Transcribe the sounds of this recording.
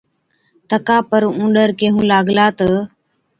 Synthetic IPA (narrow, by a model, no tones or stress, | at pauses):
t̪əkaːpəɾũːɖəɾkeːɦũːlaːɡlaːt̪ə